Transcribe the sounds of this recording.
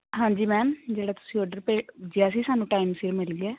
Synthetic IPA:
ɦãːɲd͡ʒiːmɛːmd͡ʒeːɽaːt̪ʊ̥sĩːɔːɾɖəɾpeːd͡ʒɪjaːsiːsaːnũːʈaːimsɪɾmɪliːɛː

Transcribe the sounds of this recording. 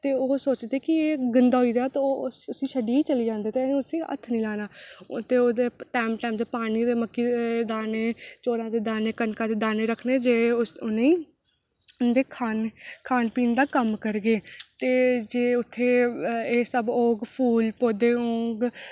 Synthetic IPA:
t̪eːoːsoːt͡ʃd̪eːkɪeːɡənd̪aːɦoiːɾeaːt̪ooːəsĩːʃəɖiːiːt͡ʃəliːd͡ʒãːnd̪eːt̪eʊt̪ʰĩːə̰t̪ʰːnĩːlaːnaːt̪eːoːd̪eːʈaːmʈaːmd̪eːpaːniːd̪eːməkːiːed̪aːneːt͡ʃoːɾãːd̪eːd̪aːneːkənkãːd̪eːd̪aːneːɾəkʰneːd͡ʒeːʊnẽiː | d̪eːkʰaːnkʰaːnpiːnd̪aːkəmkəɾɡeːt̪eːd͡ʒeːʊt̪ʰːeːeːsəbõːɡpʰuːlpoːd̪eːõːɡ

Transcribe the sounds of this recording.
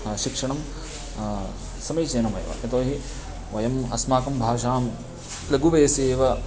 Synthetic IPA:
ʃikʂɐɳɐm | sɐmɐjt͡ʃeːnɐmɐ̰jʋɐ̰ɐt̪oːɦi | ʋɐjɐmɐsmaːkɐmbʱaːʃaːm | lɐɡuʋɐjɐseːʋɐ

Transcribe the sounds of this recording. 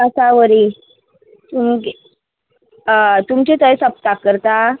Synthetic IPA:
əsaʋəɾi | t̪umɡe | t̪umt͡ɕet̪əesəp̚t̪akːəɾt̪a

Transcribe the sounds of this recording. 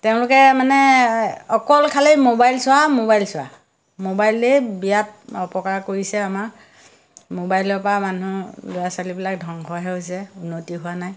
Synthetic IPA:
tɛʊ̃lʊkɛmanɛɔkɔlkʰalejmobajlsʊwamobajlsʊwa̰ | mobajlebijap̚ɔpɔkaɹkoɹisɛamaɹ | mobajlɔɹpɹamanulʊjasalibilak̚dʱɔŋɦʰɔɦɛɦojsɛunːotiɦʊwanaj

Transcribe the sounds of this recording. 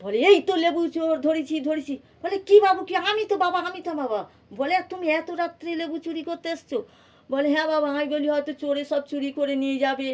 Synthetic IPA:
bʱɔleeit̪olebut͡ʃoɾd̪ʱoɽit͡ʃʰid̪ʱoɾit͡ʃʰi | b̥ɔlekibabukiamit̪obabaamit̪ababa | bɔlet̪umiɛt̪oɾat̪ːɾelebut͡ʃuɾikoɾt̪eest͡ʃʰo | bɔleɦɛ̃babaamiboliɦɔjt̪ot͡ʃoɾesɔb̚t͡ʃuɾikoɾenied͡ʒabe

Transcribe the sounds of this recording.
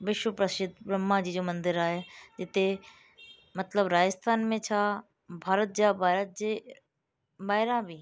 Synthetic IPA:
ʋɪʃwəpɾəʃɪt̪̚bɾəmːãd͡ʑiːd͡ʒoːmɐ̃nd̪ɪɾaːɦed͡ʒɪt̪e | mɐt̪ləbɾaːd͡ʒəst̪ʰaːnmẽt͡ʃʰa | bʱaːɾət̪̚d͡ʒaːbaːɾət̪̚d͡ʑe | baːɦɪɾãbʱiː

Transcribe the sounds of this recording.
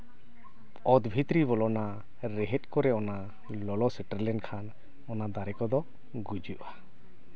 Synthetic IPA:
ɔd̪bʱit̪ɾiβɔlɔna | ɾɛɦɛt̪̚ˀkɔɾɛɔna | lɔlɔsɛʈaɾlɛnkʰan | ɔnad̪aɾɛkɔd̪ɔ | ɡud͡ʒuʔa

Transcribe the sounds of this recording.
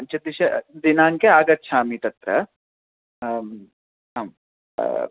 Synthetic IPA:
ɐnt͡ʃɐd̪iʃɐd̪inaːŋkeaːɡɐt̪ːʃʰaːmit̪ɐt̪ɾɐ̰ | ɦãːm

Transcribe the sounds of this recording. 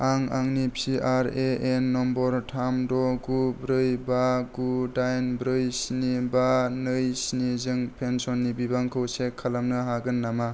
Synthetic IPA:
aŋa̰ŋnipʰiʔaɾeʔenːɔmbɔɾtʰamdɔɡubɾɯjbaɡudajnbɾɯjsinibanɯjsinizɯŋpʰensɔnːibibaŋkʰɯwsekʰːalamnɯɦaɡɯnːama

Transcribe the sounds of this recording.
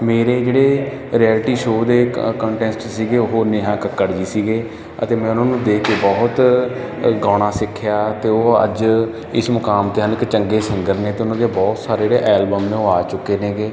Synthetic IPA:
meːɾeːd͡ʒeːɽeː | ɾijɛːlʈiːʃoːd̪eːkə̃ːɳʈɛ̃ːsʈsiːɡeːʊɦoːneːɦãːkəkːəɽd͡ʒiːsiːɡeː | ə̰t̪eːmɛ̃ːʊnãːnũːd̪eːkʰeːbɔːt̪ | ɡãːɽ̃aːsɪkʰːjaːt̪eːoːə̰d͡ʒ | ɪsmʊkaːmt̪eːənɪkt͡ʃəŋɡeːsəŋɡəɾneːt̪eːʊnãːd̪eːbɔːt̪saːɾeːd͡ʒeːɽeːʔɛːlbəmneõːaːt͡ʃʊkːeːnẽːɡeː

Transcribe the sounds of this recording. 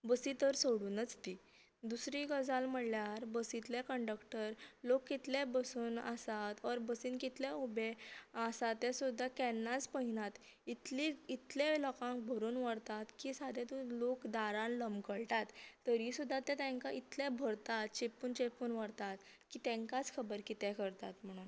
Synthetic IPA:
bəsit̪əɾsəɽuːnət͡st̪i | d̪usɾiɡəd͡zalməɽljaɾbəsit̪lekəɳɖəkʈəɾlokːit̪lebəsuːna̰sat̪ɔɾbəsiːnkit̪leubeasat̪esud̪ʱːakɛnːat͡spəɦinat̪ | it̪liit̪lelɔkãŋk̚bʱəɾuːnʋəɽt̪at̪kisad̪ʱẽt̪ulokd̪aɾãnləmkəɭʈat̪ːəɾisud̪ʱːat̪ɛ̃t̪ɛ̃ŋkait̪lẽbʱəɽt̪at̪t͡ɕepuːnt͡ɕepuːnʋəɽt̪at̪ | kiːt̪ɛ̃ŋkat͡skʰəbəɾkit̪ɛ̃kəɾt̪at̪m̤əɽ̃uːn

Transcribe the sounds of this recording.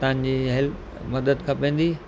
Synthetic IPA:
t̪aãnd͡ʑiːɦɪl | mɐd̪əd̪kʰãːpẽːn̆d̪iː

